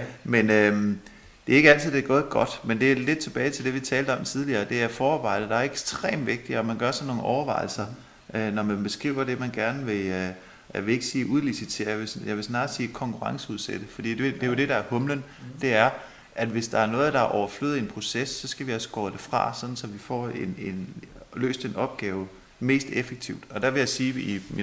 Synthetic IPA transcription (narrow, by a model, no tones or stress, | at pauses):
menøm | d̥e̝ɐe̝ɡ̥əæl̰t͡sʰið̞̩̰ˠd̥eɡ̥ɔ̽ːð̩ˠɡ̥ɒ̽d̥mend̥e̝æle̝d̥̚t͡sʰe̝b̥ɛːɪt͡sʰe̝ld̥e̝ʋit͡sʰɛːld̥̩əɒ̽mt͡sʰið̞ˠliɐːd̥e̝æfɒːɑb̥ɑ̈ɪ̰d̥ð̩ˠd̥ɑ̈æɐeɡ̥sd̥ʁḛːmʋe̝ɡ̥̚d̥iɒmænɡ̥ɶɐsɒnːo̝ːn̩ʔɒʊɐʋɑ̈ɪl̩sɐ | ʔønɒmænb̥e̝sɡ̥ʁiʊ̰ɐd̥e̝mænɡ̥æɐnəʋe̝ | jaʋee̝ɡ̥əsiːʔuðˠlisi̥t͡sʰe̝̰ɐ̰jʋesjɑʋe̝snɑ̈ːsiːkʰɒ̽ŋkʰuʁɑ̈ŋsəuðˠsed̥əfɒ̽d̥ḭːd̥e̝d̥e̝jo̝d̥e̝ɾɑ̈æɐhɔ̽mlən | d̥e̝æɐ | ʔæd̥ʋe̝sd̥ɑ̈æɐnɔ̽ːð̩ˠd̥ɑ̈æʔɒʊɐflø̰ːð̩ˠe̝npʰʁo̝sesːɒ̽sɡ̥æʋiɒsəɡ̥ɒ̰ːd̥e̝fʁɑ̰̈sɒ̽d̥n̩sɒ̽ʋifɒ̰ːenenlø̰ːsd̥e̝nɒ̽b̥ɡ̥ɛːʊ | me̝̰ːsd̥efeɡ̥̚t͡sʰiʊ̰d̥ɒ̽d̥æʋe̝jasiːimi